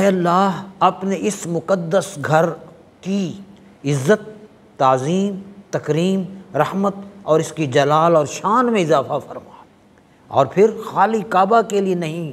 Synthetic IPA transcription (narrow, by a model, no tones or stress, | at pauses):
ɛɐlːaːɦɐpneɪsmʊkəd̪ːəsɡʱɐɾ | ki | ɪzːət̪ː | aːziːmt̪ɐkɾiːmɾɐhmət̪ɔːɾɪskid͡ʒɐlaːlɔːɾʃaːnmẽɪzaːfafɐɾmaː | ɔ̰ːɾpʰɪɾxaːlikaːbakelienɐɦĩ